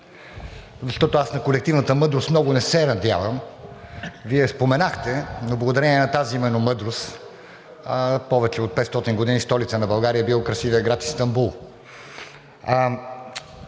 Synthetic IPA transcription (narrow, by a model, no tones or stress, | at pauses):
zɐʃt̪ɔt̪oasnɐkolɛk̚t̪ivnət̪əmɤd̪ɾosmnɔɡʊnɛsɛnɐd̪ʲja̰vəm | viɛspomɛnaxt̪ɛnoblˠɐɡʊd̪ɐɾɛniɛnɐt̪aziimɛnomɤd̪ɾost̪ | pɔvɛt͡ʃɛot̪̚pɛt̪st̪ɔt̪inɡod̪inist̪ɔlit̪sənɐbɐlˠɡaɾijəbilˠɔkɾɐsivəɛɡɾat̪i̥st̪ɐmbulˠ